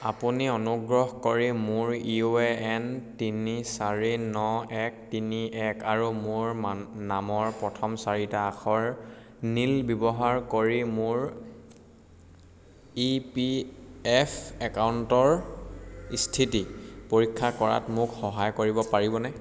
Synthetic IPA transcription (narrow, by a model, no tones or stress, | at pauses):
apuniɔnuɡɹɔɦkoɹimʊɹioeɛntinisaɹinɔɛk̚tiniɛkaɹumʊɹnamɔɹpɹɔtʰɔmsaɹitaːxʰɔɹ | nilbibɔɦaɹkoɹimʊɹ | ipiɛfʰɛkauntɔɹ | istʰitipoɹikʰːakɔɹa̰tmʊkxɔɦajkoɹibɔpaɹibɔnɛ